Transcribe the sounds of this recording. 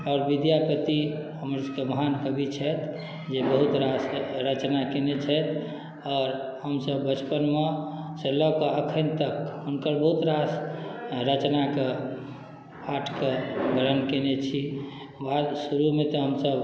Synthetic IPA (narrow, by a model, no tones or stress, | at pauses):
ɔːɾʋid̪japət̪iɦəmɾəskeməɦankəbit͡ʃʰɛt̪ | d͡ʒebəɦut̪ɾasɾət͡ʃnakenet͡ʃʰɛt̪ʰ | ɔːɾ | həmsəbːət͡ʃpənmesəlɔkeəkʰənt̪əkunkəɾbəɦut̪ɾasɾət͡ʃnake | paʈʰkeɡʱəɾənkenet͡ʃʰi | ʋasuɾumet̪ɔɦəmsəb